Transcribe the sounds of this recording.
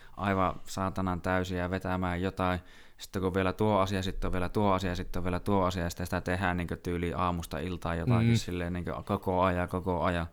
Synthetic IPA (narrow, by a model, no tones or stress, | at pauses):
ʔɑˑiʋɑsɑːt̪ɑnɑnt̪æˑysiæʋet̪æmæːjjot̪ɑˑi | si̥t̪ːekuʋielæt̪uoɑsijɑsit̪ːoʋʋielæt̪uoɑsiɑɑsit̪ːoʋʋielæt̪uoɑsiɑjɑsit̪æsi̥t̪æt̪ehæːnniːŋkøt̪yːliːʔɑːmust̪ɑ̰ilt̪ɑˑːjjot̪ɑkissilːenniːŋkø̰kokoɑjɑkokoɑjɑ